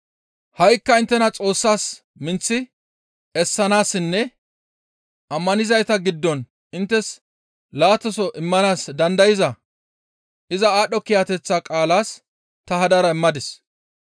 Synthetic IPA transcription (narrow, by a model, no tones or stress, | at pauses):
hɐjkːɐɪnt̪ːɛnɐt͡sʼo̞ːsːaːs | mɪnt͡sːɪ | ɛsːɐnaːsːɪnːɛ | ʔɐmːɐnɪzɐjt̪ɐɡɪd̪ːɔn | ɪnt̪ːɛs | laːt̪ːɔsɔʔɪmːɐnaːsd̪ɐnd̪ɐjɪzɐ | ʔɪzɐaːɗːɔkɪjaːt̪ɛt͡sːaːkʼaːlaːs | t̪ɐhɐd̪ɐɾɐɪmːɐd̪ɪs